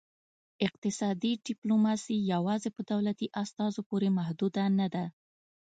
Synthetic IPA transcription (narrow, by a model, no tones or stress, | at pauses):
ɪq̚t̪ɪsɑd̪iɖɪplomɑsijawɑzepəd̪awlat̪iʔast̪ɑzopoɾemahd̪ud̪anad̪a